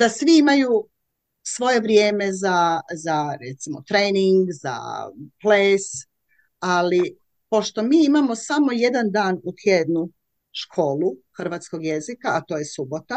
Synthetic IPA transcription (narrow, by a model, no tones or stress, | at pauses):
d̪̥asʋiimaju | sʋo̞je̞ʋɾjeːme̞zazaɾet̪simo̞t̪ɾeːniŋɡza̰pleːs | ali | po̞ʃt̪o̞miːimamo̞samo̞je̞d̪and̪aːnut̪ʰjed̪nu | ʃkʰo̞ːlˠuxr̩ʋaːt̪sko̞ɡje̞zikaːt̪o̞ːjesubo̞t̪a